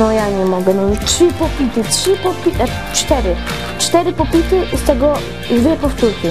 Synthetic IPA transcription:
ɔjaɲɛmɔɡɛnɔtʂɪpɔpʲit̪ɪtʂipɔpʲiɛ | t͡ʂt̪ɛɾɪ | t͡ʂt̪ɛɾɪpɔpʲit̪ɪst̪ɛɡɔ | d̪vʲjɛpɔft̪uɾkʲɪ

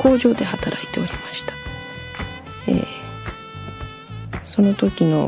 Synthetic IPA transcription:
kʰo̞ːʑo̞ːd̪e̞hat̪aɾʔait̪e̞o̞ɾʲimaɕi̥t̪ḁ | ḛː | so̞no̞t̪o̞kʲino̞̰

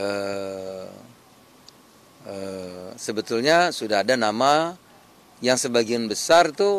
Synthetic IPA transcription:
ə | əsəbət̪ulɲasudaɦadanama | jaŋsəbaɡianbəsart̪u

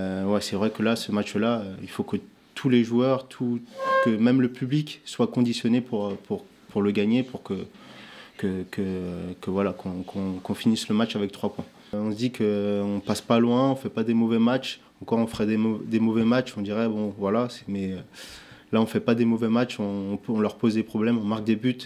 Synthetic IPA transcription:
wɛsɛvʁɛkəlasəmat͡ʃlaøilfokə | t̪ʰuleʒuœʁt̪ʰukəmɛmləpyblikswakɔ̃d̪isjɔnepʰuʁpʰuʁ | puʁləɡaɲepuʁkə | kəkəkəvwalakʰɔ̃kʰɔ̃kɔ̃finisləmat͡ʃavɛk̚t̪χwapwɛ̃ | ɔ̃sd̪ikʰəɔ̃paspalwɛ̃ɔ̃fɛpad̪emɔvɛmat͡ʃ | ɑ̃kɔʁɔ̃fəʁɛd̪ed̪emɔvɛmat͡ʃɔ̃d̪iʁɛbɔ̃vwalasɛ̥mɛølaɔ̃fɛpad̪emɔvɛmat͡ʃɔ̃ːpøɔ̃lœʁpozd̪epχɔblɛmɔ̃maʁk̚d̪ebyt̪

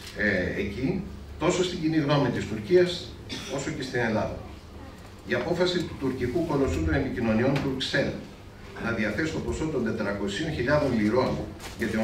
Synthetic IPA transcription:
ḛcit̪o̞so̞st̪iɲɟiniɣno̞mit̪ist̪uɾciɐs | o̞so̞ce̞st̪ine̞lɐðɐ | iɐpo̞fɐsit̪u̥t̪uɾcikuko̞losund̪o̞ne̞picino̞nio̞nt̪uɾkse̞lon | nɐðiɐθe̞sist̪o̞po̞so̞t̪o̞nd̪e̞t̪ɾɐko̞sio̞nçiʎɐðo̞nliɾo̞nʝɐt̪i

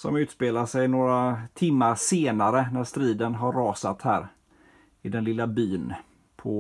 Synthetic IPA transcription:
sɔmʉ̟ːt̪speːlaʂɛjnoːɾat̪ʰɪmːaɾseːnaɾənæʂt̪ɾiːd̪ənɦaɾːɑːsat̪hæːɾ | ɪd̪ɛnlɪlːabyːn | pʰɔ

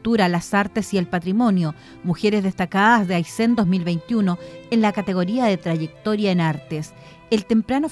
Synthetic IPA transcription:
t̪uɾalasaɾt̪esielpat̪ɾimo̞njo | muxeɾezðest̪akaðazðeajsend̪o̞zmilβejnt̪juno̞enlakat̪eɣo̞ɾiaðet̪ɾaʝek̚t̪o̞ɾjaenaɾt̪es | elt̪e̞mpɾano

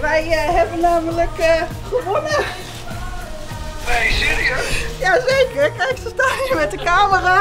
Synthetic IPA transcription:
ʋɛjɦɛbənːaːmələk | χəʋonə | ɛsiɾiøsjaːzeːkəɹkɛksətamɛtəkaːməra

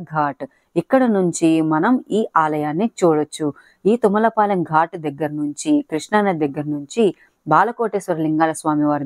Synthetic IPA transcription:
ɡʱaːʈ | ikːɐɽɐnuɲt͡ʃimɐnɐmiːʔaːlɐjaːnːit͡ʃuːɽɐt͡ʃːu | iːt̪umɐlɐpaːlɐŋɡʱaːʈd̪ɐɡːɐɾɐnuɲt͡ʃikɾiʂɳɐnɐd̪ɐɡːɐɾɐnuɲt͡ʃi | baːlɐkoːʈeːsʋɐɾɐliŋɡaːlɐsʋaːmiʋaːɾ

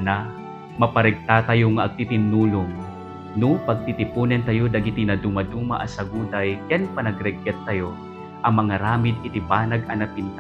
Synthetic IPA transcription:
na | mɐpɐɾɛɡ̚t̪at̪ɐjoŋaʔɐɡ̚t̪ɪt̪ɪnːuːlʊŋ | nʊpɐɡ̚t̪ɪt̪ɪpuːnɛnt̪ɐjod̪ɐɡɪt̪inɐd̪umad̪uma̰ʔɐsɐɡuːd̪ɐjkɛnpɐnɐɡɾɛɡɛt̪ːɐjo | ʔɐŋmɐŋaɾaːmɪd̪̚kɪt̪ibaːnɐɡɐnɐpɪnt̪a

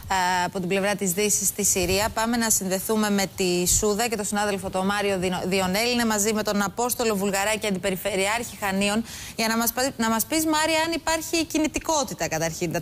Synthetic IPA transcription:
ɐpo̞t̪ible̞vɾɐt̪izðisist̪isiɾiɐpɐme̞nɐsinðe̞θume̞me̞t̪isuðɐce̞t̪o̞sinɐðe̞lfo̞t̪o̞mɐɾio̞ðio̞ne̞line̞mɐzime̞t̪o̞nɐpo̞st̪o̞lo̞vulɣɐɾɐceɐnd̪ipe̞ɾife̞ɾiɐɾçixɐnio̞nʝɐnɐmnɐmɐspizmɐɾiɐɐnipɐɾçicinit̪iko̞t̪it̪ɐkɐt̪ɐɾçint̪

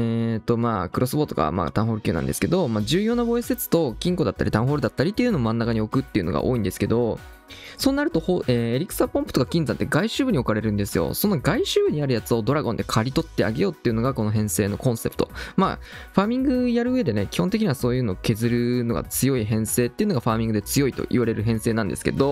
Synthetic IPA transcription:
et̪o̞maːkɯɾo̞sɨbo̞ːt̪oɡa̰ma̰ːt̪ã̰ɰɦo̞ɾɯ̟ɨɯːna̰nd̪e̞sɨ̥ke̞d̪o̞maːʑɨːjo̞ːnabo̞eset͡sɨ̥t̪o̞kʲĩŋko̞d̪at̪ːa̰ɾʲit̪ãɰ̃ɦo̞ːɾɯ̟d̪at̪ːaɾʲit̪ːeiɯ̟noomãnːakaɲ̟io̞kɯ̟t̪ːeiɯ̟no̞ɡa̰ʔo̞ːĩnd̪e̞sɨ̥ke̞d̪o̞ | so̞ːnaɾɯ̟t̪o̞hoʔeːeɾʲikɯ̟̥sapõ̞mpɯ̟̥t̪o̞kakʲĩnzãnt̪ːe̞ɡaiɕɨːbɯ̟ɲ̟io̞k̟aɾe̞ɾɯ̟̃nd̪e̞sɨjo̰so̞noɡaiɕɨːbɯ̟ɲ̟iaɾɯ̟jat͡sɨo̞d̪o̞ɾaɡõ̞nd̪e̞kʰaɾʲit̪o̞t̪ːe̞a̰ɡe̞jo̞ːt̪ːeiɯ̟no̞ɡako̞no̞ɦẽ̞ɰ̃se̞ːno̞kõ̞ɰ̃se̞pɯ̟̥t̪o̞ma̰ | ɸaːmʲĩŋɡɯ̟jaɾɯ̟ɯ̟e̞d̪e̞ne̞kʲi̥hont̪ek̬ʲiɲ̟iβaso̞ːjɯ̟ːno̞ːkʲe̞zɨɾɯ̟no̞ɡa̰t͡sɨjo̞iɦẽ̞ɰ̃se̞ːt̪ːeiɯ̟noɡaɸaːmʲĩŋɡɯ̟d̪e̞t͡sɨjo̞it̪o̞̰ʔḭβaɾe̞ɾɯ̟ɦẽ̞se̞ːnãnd̪esɨ̥ke̞̰d̪o̞

